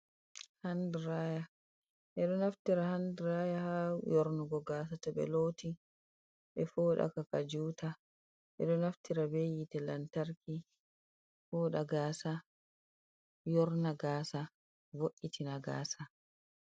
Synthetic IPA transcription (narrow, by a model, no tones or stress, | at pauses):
handɾaːja | ʔɛɗɔnaftiɾahandɾaːjahajɔɾnuɡɔɡaːs̬atɛɓɛ̰loːti | ɓɛfɔːɗa̰kakad͡ʒuːta | ʔɛ̰ɗɔnaftiɾabejitɛlantaɾki | fɔːɗaɡaːsa | jɔɾnaɡaːsa | voʔːitinaɡa̰ːsa